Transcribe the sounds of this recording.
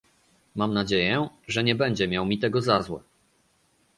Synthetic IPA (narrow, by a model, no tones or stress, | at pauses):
mamnad͡ʑejɛʐɛɲɛbɛɲd͡ʑɛmʲjawmʲit̪ɛɡɔzazwɛ̰